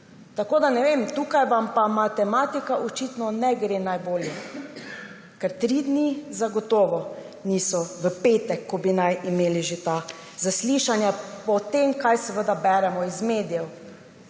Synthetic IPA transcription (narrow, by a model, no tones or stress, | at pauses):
t̪akoːd̪anɛʋemt̪uːkajʋampamat̪ɛmat̪ikaʔɔt͡ʃit̪nɔnɛɡɾenajboːljɛ | kɛɾt̪ɾid̪nizaɡɔt̪ɔːʋɔ | nisɔʋəpeːt̪ɛkːɔbinajʔimeːliʒet̪a | zasliʃanjapɔt̪emkajsɛʋəd̪abɛːɾɛmɔizmeːd̪ijɛw